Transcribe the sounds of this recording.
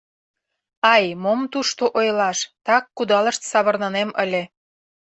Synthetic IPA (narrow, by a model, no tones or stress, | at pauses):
ɑjmomt̪uʃt̪oʔojlɑʃt̪ɑkːud̪ɑlə̆ʃt̪sɑβɤ̆rnɤneməlʲĕ